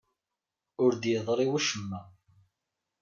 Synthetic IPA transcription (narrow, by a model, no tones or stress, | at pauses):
ʊɾd̪jəðˤɾˤiwæʃəmːæ